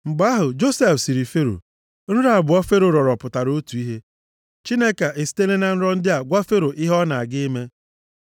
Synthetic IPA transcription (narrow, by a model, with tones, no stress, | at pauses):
ŋ͡m̩˨ɡ͡ba˦ɦʊ˨d͡ʒo˦se˦fsi˨ɾi˨fe˦ɾo̰˨ | ɾ̩˦ɾa˦˨bʊ˨ɔ˦fe˦ɾo˨ɾɔ˨ɾɔ˨pʊ˨ta˨ɾo˦tu˨i˦ɦe˦ | t͡ʃi˦ne˦ka˨e˨si̥˦te˦le˦na˨n̩˦ɾɔ˦n̩˦dɪ˦a˨ɡʷa˦fe˦ɾo˨ʔɪ˦ɦɔ˦na˨a˨ɡɪ˦me˦